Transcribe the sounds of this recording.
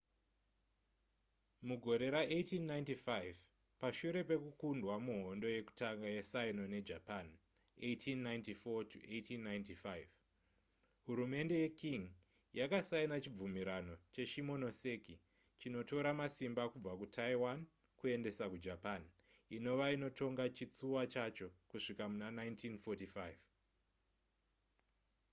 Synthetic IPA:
muɡʱo̞ɾe̞ɾaʔetinːajntifajv | paʃuɾe̞pe̞kukundwamuɦo̞ndo̞je̞ku̥taŋɡajesaino̞ne̞d͡ʒapan | etʰinːajntifotuʔetʰinːajntifajv | ɦuɾume̞nde̞jekiŋ | jakasainat͡ʃib͡vumiɾano̞t͡ʃe̞ʃimo̞no̞se̞ki | t͡ʃino̞to̞ɾamasimbakub͡vakutʰaiwan | kue̞nde̞sakud͡ʒapan | ino̞ʋaino̞tʰo̞ŋɡat͡ʃit͡suwat͡ʃat͡ʃo̞kuʂikamunanaintʰinfotifajv

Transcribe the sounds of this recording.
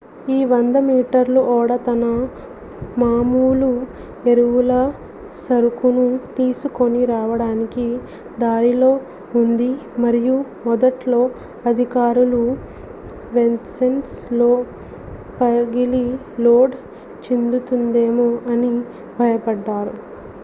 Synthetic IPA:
iːʋɐnd̪ɐmiːʈɐɾluʔɔːɽɐt̪ɐnɐ | maːmuːlu | e̞ɾuwulɐ | sɐɾukunut̪iːsuko̞niɾaːʋɐɽaːniki | d̪aːɾilo̞ː | und̪imɐɾiju | mɔd̪ɐʈlo̞ː | ɐd̪ʱikaːɾulu | ʋensenʈslo̞ː | pɐɡili | loːɖ | t͡ʃind̪ut̪und̪eːmoʔɐni | bʱɐjɐpɐɖːaːɾu

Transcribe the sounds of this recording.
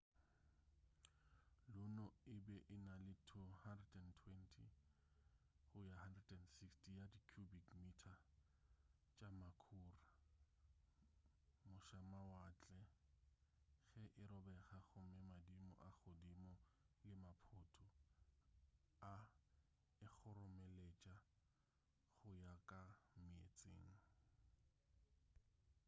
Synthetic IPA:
lʊnɔɪbɛʔɪnalɪtʰʊhandrɛdɛntʰwɛntʰi | χʊjahandrɛdʼɛndsikstʰijadikʰjubikmitʰa | t͡ʃʼamakʰʊːra | mʊʃamawat͡ɬʼɛ | χɛʔɪɾɔbɛχaχʊmɪmadimɔ̰ʔaχʊdimɔlɪmapʰʊːtʰʼʊ | a | ɪχʊrʊmɛlet͡ʃʼa | χʊjakʼamɪḛt͡sʼeːŋ̩

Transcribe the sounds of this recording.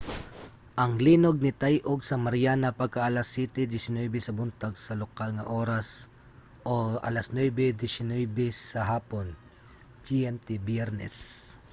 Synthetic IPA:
ʔɐŋliːnoɡ̚nɪt̪ajʔoɡsɐmɐɾjaːnɐpɐɡ̚kaʔalasːiːt̪ɛd̪ɪsɪnwɛjbɛsɐbʊnt̪aɡsɐlokalŋɐʔoːɾɐs | ʔoʔa̰lɐsnwɛbɛd̪ɪsɪnɛjbɛsɐɦaːpon | d͡ʒiɛmt̪ɛbjɛɾnɛ̰s

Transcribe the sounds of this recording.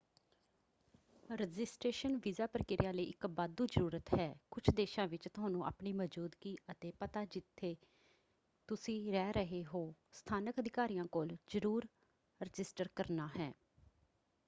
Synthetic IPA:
ɾɪd͡ʒɪsʈeːʃənʋiːzaːpɾəkɪɾɪjãːləiːʔɪkbaːd̪uːd͡ʒəɾuːɾət̪ɦɛːkʊt͡ʃʰd̪eːʃãːʋɪt͡ʃt̪ʊaːnũːʔa̰ːpɳiːməd͡ʒuːd̪kiːət̪eːpət̪aːd͡ʒɪt̪ʰːeː | t̪ʊsĩːɾɛːɾəɦeːɦoːst̪ʰaːnəkəd̪ɪkaːɾiːjãːkoːlzəɾuːɾ | ɾɪd͡ʒɪsʈəɾkəɾnaːɦɛː

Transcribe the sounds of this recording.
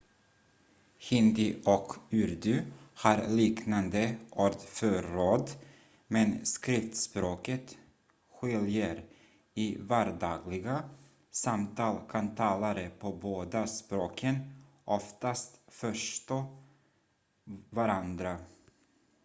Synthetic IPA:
hɪnd̪ɪʔɔkʉɾd̪ʉhaɾliːknand̪əʔoːɾd̪fœɾoːd̪ | mɛnskɾɪft̪spɾoːkət̪ | ɧɪljəɾ | ɪvæɾd̪ɑːɡlɪɡa | samt̪ʰɑːlkʰant̪ʰɑːlaɾəpʰɔboːd̪aspɾoːkʰən | ʔɔft̪ast̪fœʂt̪oː | vaɾand̪ɾa

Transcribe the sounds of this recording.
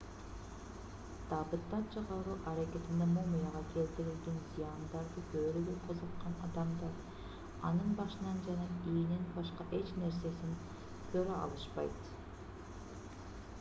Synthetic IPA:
d̪̥ɑbɯt̪ːɑt͡ʃʰɑʁɑlˠʁuʔɑɾakʲe̞t̪ind̪emomujɑʁɑkʰe̞lt̪iɾilɡenzijɑnd̪ɑɾd̪ɯbøɾyɡyqʰozɑqːɑnɑd̪ɑmd̪ɑɾ | ɑ̰nɯnbɑʃɯnɑnd͡ʒɑnɑijninbɑʃqɑʔe̞t͡ʃne̞ɾse̞sin | t̪ʰøɾøʔɑ̰lˠɯʃpɑ̰jt̪

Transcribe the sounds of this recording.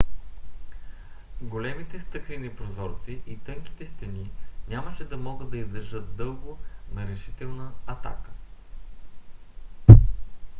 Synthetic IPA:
ɡolɛmit̪ɛst̪ɤkɾinɛpɾozɔɾt̪siʔit̪ɤŋki̥t̪ɛst̪ɛninʲaməʃɛd̪ɐmɔɡɤd̪̚d̪ɐizd̪ɐɾʒɤt̪̚d̪ɤlˠɡonɐɾɛʃi̥t̪ɛlˠnəɐt̪a̰kə̥

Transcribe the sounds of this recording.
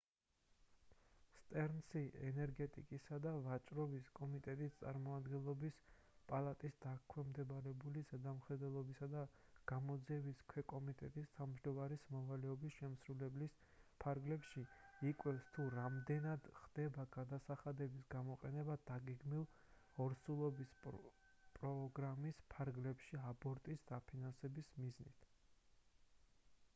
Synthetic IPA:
st̪ʼɛɾnsiɛnɛɾɡɛt̪ʼḭkʼisad̪avat͡ʃʼɾɔbiskʼɔmit̪ʼɛt̪ʼist̪sʼa̰ɾmɔmad̪ɡɛlˠɔbis | pʼalˠat̪ʼisd̪̥akʰwɛmd̪ɛbaɾɛbulizɛd̪amχɛd̪ɛlˠɔbisad̪aɡ̥amɔd̪ziɛbiskʰwɛkʼɔmit̪ʼɛt̪ʼist̪ʰamʒd̪ɔmaɾismɔvalɛɔbisʃɛmsɾulɛblis | pʰaɾɡlɛpʃiikʼwɛfst̪ʰuɾamd̪ɛnad̪χd̪̥ɛbaɡad̪asaχad̪ɛbisɡamɔqʼɛnɛbad̪̥aɡɛɡmilˠ | ɔɾsulˠɔbis | pʼɾɔɡɾamispʰaɾɡlɛpʃiabɔɾt̪ʼisd̪̥apʰinansɛbismiznḭt̪ʰ

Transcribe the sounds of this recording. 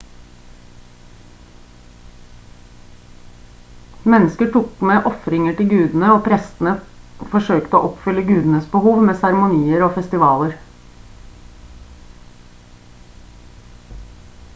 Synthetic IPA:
mɛnːəskəʈʰukmeːʔɔfɾɪŋəʈɪlɡʉːd̪n̩əoːpʰɾɛst̪n̩əfɔʂøːkt̪əoːʔɔpfʏlːəɡʉːd̪n̩əsbəhuːʋmeːsæɾmʊniːəɾoːfɛst̪ɪʋɑːləɾ

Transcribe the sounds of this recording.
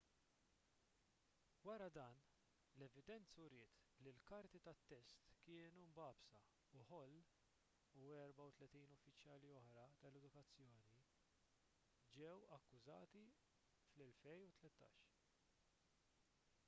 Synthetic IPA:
wɐɾɐd̪ɐːn | lɛvɪd̪ɛnt͡sːʊɾɪːt̪lilkɐɾt̪it̪ɐt̪ːɛst̪kɪːnumbɐːbsɐ | uħɔlː | uɛɾbɐwt̪lɛt̪iːnʊfːɪt͡ʃjɐːliɔħɾɐt̪ɐlɛd̪ʊkɐt͡sːjɔːni | d͡ʒɛwɐkːʊzɐːt̪i | flɛlfɛjut̪lɛt̪ːɐ̰ːʃ

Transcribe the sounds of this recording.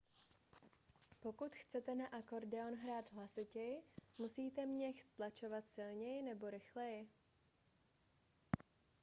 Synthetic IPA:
po̞kut̪xt͡sɛt̪ɛnaʔako̞ɾdɛonɦɾaːd̪ɦlasɪcɛjɪmusiːt̪ɛmɲɛxst̪lat͡ʃo̞vat̪sɪlɲɛjɪnɛbo̞ɾɪxlɛjɪ

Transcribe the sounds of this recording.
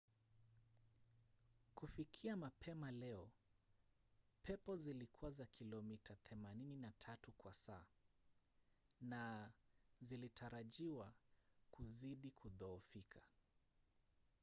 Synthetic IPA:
kufikʰiamapʰɛmalɛɔ | pʰɛpɔzilikʰuwazakʰilɔmitʰaθɛmanininatʰatukwasaː | na | zilitʰaɾaʄiwakuziɗikuðɔːfikʰa

